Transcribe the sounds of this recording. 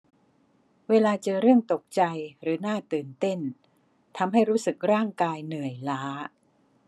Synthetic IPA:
weː˧laː˧t͡ɕɤː˧ɾɯ˥˩əŋt̪o˨˩k̚t͡ɕa˧jɾɯː˩˦naː˥˩t̪ɯː˨˩nt̪e˥˩n | t̪ʰa˧mɦa˥˩jɾuː˦˥sɯ˨˩k̚ɾaː˥˩ŋkaː˧jnɯ˨˩əjlaː˦˥

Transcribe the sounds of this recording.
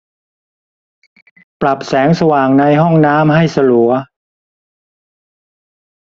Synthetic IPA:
pla˨˩p̚sɛː˩˦˥ŋsa˧waː˨˩ŋna˧jɦɔ˥˩ŋnaː˦˥mha˥˩jsa˧lu˩˦ɐ

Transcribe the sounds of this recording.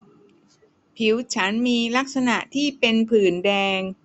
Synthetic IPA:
pʰi˨˩˦wt͡ɕʰa˦˥nmiː˧la˦˥k̚sa˧na˨˩ʔt̪ʰiː˥˩pe˧npʰɯː˨˩ndɛː˧ŋ

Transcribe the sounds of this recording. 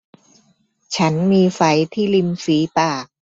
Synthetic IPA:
t͡ɕʰa˦˥nmiː˧fa˩˦jt̪ʰiː˥˩li˧msiː˩˦paː˨˩k̚

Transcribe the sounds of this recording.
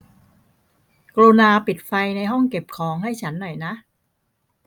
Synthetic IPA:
kɾuː˧naː˧pi˨˩t̪̚fa˧jna˧jɦɔ˥˩ŋke˨˩p̚kʰɔː˩˦ŋha˥˩jt͡ɕʰa˦˥nːɔ˨˩jna˦˥ʔ

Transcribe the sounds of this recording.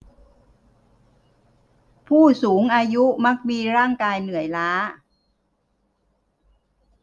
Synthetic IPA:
pʰuː˥˩suː˩˦ŋʔaː˧ju˦˥ma˦˥k̚miː˧ɾaː˥˩ŋkaː˧jnɯ˨˩əjlaː˦˥

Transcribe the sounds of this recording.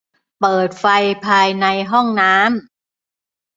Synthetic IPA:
pɤː˨˩t̪̚fa˧jpʰaː˧jna˧jɦɔ˥˩ŋnaː˦˥m

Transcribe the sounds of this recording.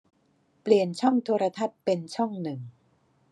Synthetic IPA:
pli˨˩ənt͡ɕʰɔ˥˩ŋt̪ʰoː˧ɾa˧t̪ʰa˦˥t̪̚pe˧nt͡ɕʰɔ˥˩ŋnɯ˨˩ŋ

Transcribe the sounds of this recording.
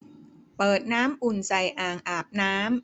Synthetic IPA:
pɤː˨˩t̪̚naː˦˥mʔu˨˩nsa˨jʔaː˨˩ŋʔaː˨˩p̚naː˦˥m

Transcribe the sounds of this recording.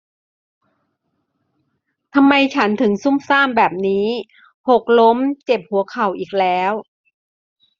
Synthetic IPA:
t̪ʰa˧mːa˧jt͡ɕʰa˦˥nt̪ʰɯ˩˦ŋsu˥˩msaː˥˩mbɛː˨˩p̚niː˦˥ | pʰo˨˩k̚lo˦˥mt͡ɕe˨˩p̚hu˨˩˦kʰa˨˩wʔiː˨˩k̚lɛː˦˥w

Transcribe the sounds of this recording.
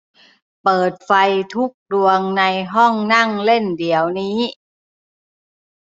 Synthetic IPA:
pɤː˨˩t̪̚fa˧jt̪ʰu˦˥k̚du˧əŋna˧jɦɔ˥˩˨ŋna˥˩˨ŋle˥˩˨ndi˨˩˦əwniː˦˥

